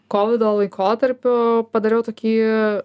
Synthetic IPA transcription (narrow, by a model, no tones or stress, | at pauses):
koːʋʲɪd̪oːlˠɐɪkʰoːt̪ɐɾʲpʲʊpɐd̪ɐɾʲeːjɛʊt̪oːkʲiː